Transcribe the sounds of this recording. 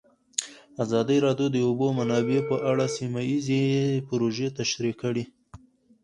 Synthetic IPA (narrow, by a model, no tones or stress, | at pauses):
azɑd̪iɾɑd̪jod̪əobomanɑbepəʔaɽasimajizepɾoʒet̪aʃɾikəɽi